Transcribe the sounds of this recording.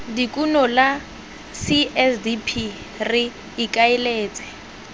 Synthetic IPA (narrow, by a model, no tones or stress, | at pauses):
dikʼunɔla | siɛsdipʰi | rɪː | kʼaɪleːt͡sʼɛ̥